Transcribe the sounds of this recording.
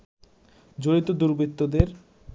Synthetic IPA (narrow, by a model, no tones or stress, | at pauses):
d͡ʑoɾit̪od̪uɾbɾit̪ːod̪eɾ